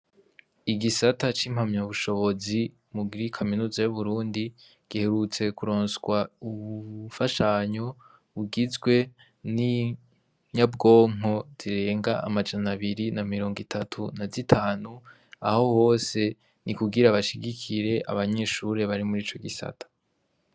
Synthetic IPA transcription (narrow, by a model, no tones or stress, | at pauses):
iɡisatat͡ʃiːmhamɲaβuʃo̞βo̞zi | muɡiɾikʰaminuːzajuβuɾuːndi | ɡ̥ihe̞ɾut͡se̞kuɾo̞ːnsɡwauβufaʃaɲo̞ | βuɡizɡwe̞ | ni | ɲabɡo̞ːŋ̥o̞z̥iɾe̞ːŋɡaʔa̰mad͡ʒanaβiɾinamiɾoːŋɡitʰatʰunazitʰaːnu | a̰ho̞ho̞ːse̞ | nikuɡiɾaβaʃiɡikʰiɾe̞ʔa̰βaɲe̞ːʃuɾe̞βaɾimuɾiːt͡ʃo̞ɡisa̰tʰḁ